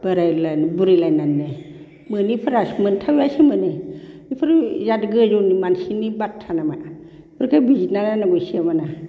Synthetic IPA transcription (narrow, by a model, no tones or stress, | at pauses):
b̥aɾajlanbuɾilajnanːe | mɯnipʰɯɾasmɯntʰawjasimɯne | ipʰɯɾizadɡɯzunimansinibatʰːanama | bɯɾkʰabizinalanaɡujsiamana